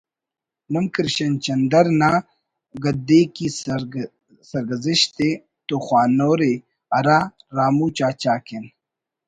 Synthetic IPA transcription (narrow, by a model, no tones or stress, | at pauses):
məŋkɾɕɐnt͡ʃɐnd̪ɐɾna | ɡɐd̪eːki | sɐɾɡɐziɕt̪e | t̪oxwaːnoːɾe | ɐɾaɾaːmuːt͡ɕaːt͡ɕaːken